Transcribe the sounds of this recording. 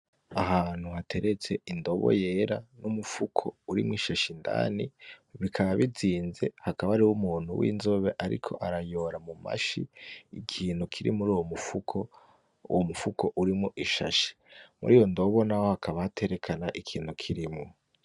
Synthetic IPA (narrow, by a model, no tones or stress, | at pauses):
aɦaːn̥huhatʰe̞ɾe̞t͡se̞indo̞βo̰je̞ːɾanumufukʰouɾḭmŋwiʃaʃinda̰ːniβikʰaβaβid͡ziːnze̞̰hakaβaɾiwumuːn̤̥ṵwʔḭːnzoβe̞ʔaɾḭkʰo̞̰ʔaɾajo̞ɾamuma̰ʃiikʰiːnhukʰiɾḭmuɾuːwomufukʰo | ṵwomufukʰo̞ʔuɾimŋoʔiʃa̰ʃi̥mṵɾiːjo̞ndo̞βo̞nahohakʰaβahate̞ɾekʰanaʔikʰiːnhukʰiɾimŋo